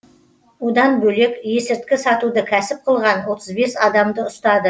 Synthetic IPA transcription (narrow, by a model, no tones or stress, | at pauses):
ud̪ɑnbɵle̞kʲje̞sɪɾt̪kʲɪsɑt̪ud̪əkʲʰæsɪp̚qʰəlˠʁɑnwo̞t̪ʰəzbe̞sɑd̪ɑmd̪əʊst̪ɑd̪ə